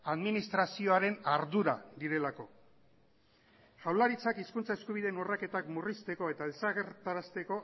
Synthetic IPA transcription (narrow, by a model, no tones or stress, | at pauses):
aðminist̪ɾasio̞aɾe̞naɾðuɾad̪iɾe̞lako̞ | ʝawlaɾit͡sakiskunt͡sae̞skuβiðe̞nurake̞t̪akmurist̪e̞ko̞e̞t̪aelt͡saɣeɾt̪aɾast̪e̞ko̞